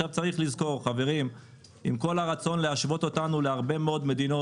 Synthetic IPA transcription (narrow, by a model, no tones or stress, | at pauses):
avt͡saʁiχlizko̞ʁχave̞ʁim | imko̞laʁat͡so̞nle̞aʃvo̞t̪ot̪anule̞aʁbe̞meo̞d̪me̞d̪ino